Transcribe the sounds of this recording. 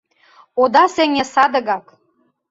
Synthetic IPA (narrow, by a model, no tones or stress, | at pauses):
od̪ɑsĕŋĕsɑd̪ɤ̆ɣɑk